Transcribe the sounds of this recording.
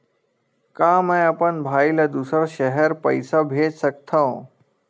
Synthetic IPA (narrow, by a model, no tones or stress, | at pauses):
kãːmɛ̃ɐpənbʱaːilɐd̪usəɾʃəɦɛɾpəɪsabʱeːd͡ʒsək̚t̪ʰãũ